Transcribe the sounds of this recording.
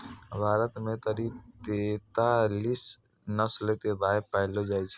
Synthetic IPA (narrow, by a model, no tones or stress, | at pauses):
bʱaːɾət̪mẽt̪əɾiːb̚t̪et̪aːliːs | nəslet̪ed̪aːɪpɛɦlod͡ʒaːit͡ʃʰe